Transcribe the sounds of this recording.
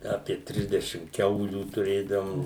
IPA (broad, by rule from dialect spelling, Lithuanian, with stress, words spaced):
ɐpʲiɛ ˈtʲrʲɪzʲdʲɛʃʲɪm ˈkʲɛʊlʲuː tʊˈrʲeːdɐʋoːm